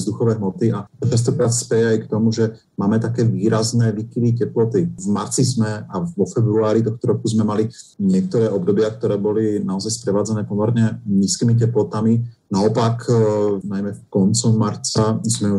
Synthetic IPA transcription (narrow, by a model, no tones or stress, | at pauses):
zd̪uxɔʋɛːɦmɔt̪iʔat͡ʃas̬t̪ɔkɾaːt̪spɛjɛajkt̪ɔmuʒɛ | maːmɛt̪akɛːʋiːɾaznɛːʋikiʋicɛplɔt̪ivmaɾt͡sizmɛaʋɔfɛbɾuaːɾit̪ɔxt̪ɔɾɔkuzmɛmaliɲɪɛk̚t̪ɔɾɛːɔbd̪ɔbɪak̚t̪ɔɾɛːbɔlinaɔzajspɾɛʋaːd͡zanɛːpɔmɛɾɲɛɲiːskiːmicɛplɔt̪aminaɔpakʰnajmɛfkɔnt͡sɔmːaɾt͡sazmɛ